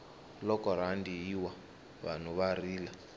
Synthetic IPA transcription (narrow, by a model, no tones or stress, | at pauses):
lɔkɔɾandijiwa | βa̰n̤uβariːla